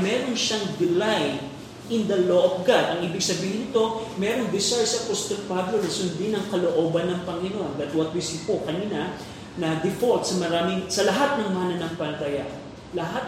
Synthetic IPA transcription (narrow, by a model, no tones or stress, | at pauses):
mɛːɾo̞nʃaŋd̪ɪlaj | ɪnd̪ɐloʔofɡad̪ɐŋʔiːbɪɡsɐbiːhɪnɪt̪o̞mɛɾoŋd̪ɪsajsɐpost̪ɛɾpablonɐsʊnd̪ɪnɐŋkɐloʔo̞ːbɐnːɐŋpɐŋɪnond̪ɐt̪wɐt̪̚wisɪpokɐniːnɐ | nɐd̪ɪfolt̪̚sɐmɐɾaːmɪŋsɐlɐɦat̪̚nɐŋmaːnɐnɐŋpɐlɐt̪ɐjaʔ | lɐɦat̪̚